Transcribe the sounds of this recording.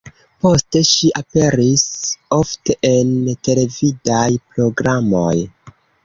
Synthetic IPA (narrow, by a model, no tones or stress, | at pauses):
po̞ste̞ʃiʔape̞ɾiso̞fte̞ʔente̞le̞vidajpɾo̞ɡɾamo̞̰j